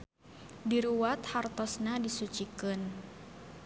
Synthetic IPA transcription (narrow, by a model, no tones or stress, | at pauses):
diɾuwat̪hart̪ɔsnadisut͡ʃikɨn